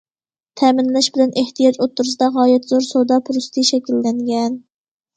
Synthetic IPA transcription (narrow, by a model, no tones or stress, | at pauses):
t̪ʰɛːmɪnlɛʃbɪlɛnʔeht̪ʰijɑd͡ʒot̪ːʊɾɨsɨd̪ɑʁɑːjɛt̪zoɾsod̪ɑpʰʊɾust̪ʰiʃɛkʲilːɛŋɡʲɛn